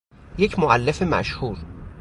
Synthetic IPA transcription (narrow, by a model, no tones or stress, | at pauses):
je̞cʰmoʔælːefe̞mæ̰ʃhuːɾ